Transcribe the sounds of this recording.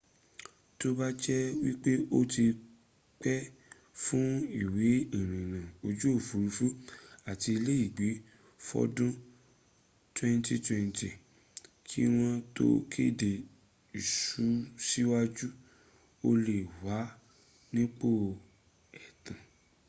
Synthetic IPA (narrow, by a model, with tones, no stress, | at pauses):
to˦ba˦d͡ʒɛ˦wi˦k͡pe˦o˦ti˧ | k͡pɛ˦ | fũ˦i˦˨we˨˦i˨ɾ̃ĩ˨nã˨o˧d͡ʒu˦o˦˨fu˨˦ɾu˧˦fũ˦a˨ti˧le˦i˦˨ɡ͡be˨˦ | fɔ̰˦dũ˦ | twɛ̃˦nti˦twɛ̃˧nti˨ | kʰi˦w̃ɔ̃˧to̰˦kʰe˦˨de˨ | i˨ʃu˨˦si˦wa˦d͡ʒu˦ | o˧le˨wa˨˦ | nĩ˦k͡po˦˨ | ɛ˨tã˨